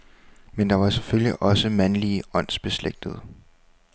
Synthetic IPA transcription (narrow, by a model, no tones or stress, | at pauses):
mend̥ɑ̈ʋɑ̈se̥føljiʔɒ̽səmænliɒ̽n̰sb̥e̝sleɡ̥̚d̥əð̞̩ˠ